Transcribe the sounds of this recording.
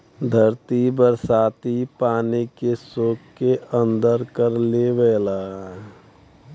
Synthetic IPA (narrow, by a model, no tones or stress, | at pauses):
d̪ʱəɾt̪ibəɾsaːt̪ipaːnikesoːkkeə̃nd̪əɾkəɾleʋɛːlaː